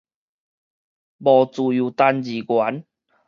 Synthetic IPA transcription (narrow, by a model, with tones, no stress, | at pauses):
bɔ˨˩t͡su˨˩ju˨˩t̪a˧nd͡ʑi˨ɡwa˨˦n